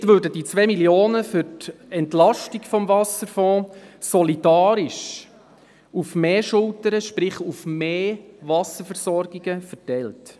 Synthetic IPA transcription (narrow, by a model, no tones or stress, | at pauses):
tʋøːɾdədit͡sʋɛːmiljoːnəfʏtɛntlɑʃtiɡfɔmvɑsəɾfɔ̃ːsɔlid̥ɑːɾiʃ | ufmeːʃʊltəɾəʃpɾɪχufmeːvɑsəɾfəɾsɔɾɡiɡ̥əfətɛlt